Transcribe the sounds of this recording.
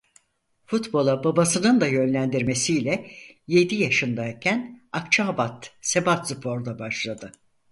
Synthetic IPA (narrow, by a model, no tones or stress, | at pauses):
fut̪bo̞lˠababasɯnɯnd̪ajø̞nlʲænd̪iɾme̞sijlʲɛje̞d̪ijaʃɯnd̪aicʰænak̚t͡ʃʰabat̪se̞bat̪sɯpʰo̞ɾd̪abaʃlˠad̪ɯ